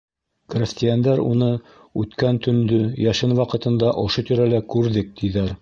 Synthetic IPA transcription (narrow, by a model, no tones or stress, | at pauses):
krʲɪsʲt̪ʲɪjand̪æɾṵnɤ | ʉt̪kænt̪ɵ̆nd̪ɵjæʃɘnwɑqɤ̆t̪ɤ̆nd̪ɑʔŏʃot̪iɾælækʉɾðɘk̚t̪iðæɾ